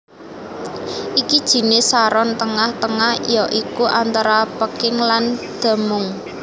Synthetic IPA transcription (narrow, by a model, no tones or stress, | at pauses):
ʔikid̥ʒ̥i̤nɪsaɾɔnt̪əŋaht̪əŋahjɔʔikuʔant̪aɾapəkɪŋland̪̥a̤mʊŋ